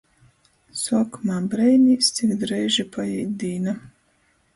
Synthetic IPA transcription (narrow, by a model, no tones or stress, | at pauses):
sɔkmabɾɛjnist̪iɡd̪ɾɛːʒipʰajɛjd̪iːna